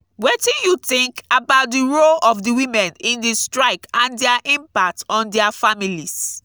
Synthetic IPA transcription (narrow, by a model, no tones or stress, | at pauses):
wetĩnjuθɪ̃ŋkabaʊt̚diɹolɔfdiwĩmɛ̃nĩndistɹaɪkãndɛaʔĩmpak̚tɔ̃ndɛafamilis